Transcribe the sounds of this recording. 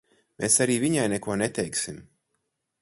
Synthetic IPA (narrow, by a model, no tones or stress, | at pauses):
meːsaɾiːviɲajnɛkuɔnet̪ɛjksim